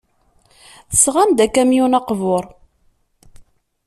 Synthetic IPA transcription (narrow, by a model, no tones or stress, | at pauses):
θə̥sʁamd̪ækæmjunɑqvoʊɾˤ